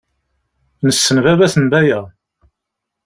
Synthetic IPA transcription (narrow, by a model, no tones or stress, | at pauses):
nəsːənvævæθənbæjæ